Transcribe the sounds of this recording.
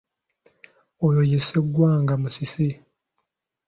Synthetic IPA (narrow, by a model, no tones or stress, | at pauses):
ojojeseɡwaːŋɡamusisi